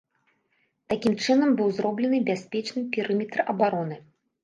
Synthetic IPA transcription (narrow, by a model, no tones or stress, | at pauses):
t̪akʲimt͡ʂɨnɐmbɨwzɾɔblʲɛnɨbʲasʲpʲɛt͡ʂnɨpʲiɾɨmʲɛt̪ɾɐbaɾɔnɨ